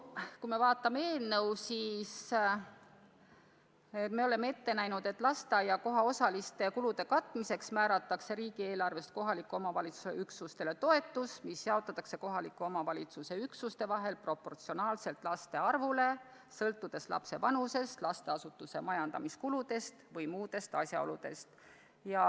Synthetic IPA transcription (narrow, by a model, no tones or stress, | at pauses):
kujme̞vɑːt̪ːˑɑmeeːlnewsiːs | et̪me̞o̞lemːee̞t̪ːe̞næjnud̪̥e̞t̪ːˑlɑst̪ɑjɑko̞ɦɑosɑlist̪e̞kulud̪e̞kɑt̪ːˑmise̞ksmæːɾɑt̪ːˑɑkse̞ɾiːɡ̥ie̞ːlɑrve̞st̪̚ko̞ɦɑlikːˑuo̞mɑvɑlʲit̪su̥sḛyksust̪e̞le̞t̪o̞e̞t̪ːˑusmisːeɑot̪ːˑɑt̪ːˑɑkse̞ko̞ɦɑlikːˑuo̞mɑvɑlʲit̪suse̞yksust̪e̞vɑɦe̞lpro̞po̞rt̪sio̞nɑːlse̞lt̪ˑlɑst̪e̞ɑrvule̞ | sɤlt̪ːˑud̪̥e̞slʔɑ̰pse̞pɑnuse̞st̪lɑst̪e̞ɑsut̪ːˑuse̞mɑjɑnd̪ɑmiskulud̪̥e̞st̪vɤjmuːd̪̥e̞st̪ɑsʲjɑ̰o̞̰lud̪̥e̞̰st̪ | jɑ